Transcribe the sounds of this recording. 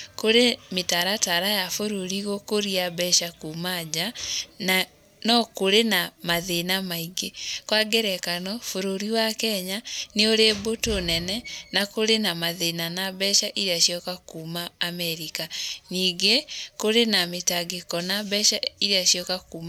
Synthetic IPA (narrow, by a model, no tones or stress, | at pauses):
koɾemetaɾataɾajafoɾoɾiɣokoɾiabɛʃakumad͡ʑana | nɔkoɾenamaðenamaiɡekwaɡeɾɛkanɔfoɾoɾiwakɛɲaneoɾebotonɛnɛnakoɾenamaðenanabɛʃaʔiɾeaʃiɔkakuːmaːmɛɾikaniːɡekoɾenametaɡekɔnabɛʃaiɾeaʃijɔkakuːma